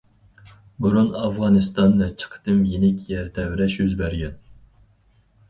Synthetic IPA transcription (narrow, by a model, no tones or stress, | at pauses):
buɾunɑvʁɑnɨst̪ɑnːɛt͡ʃʰə̥qʰə̥t̪ʰɨmjenɪkʲjɛɾt̪ʰɛwɾɛʃjyzbæɾɡʲɛn